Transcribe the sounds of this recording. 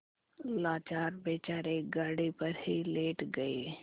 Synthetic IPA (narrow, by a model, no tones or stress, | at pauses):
laːt͡ʃaːɾbeːt͡ʃaːɾeːɡaːɽipəɾhileːʈɡəeː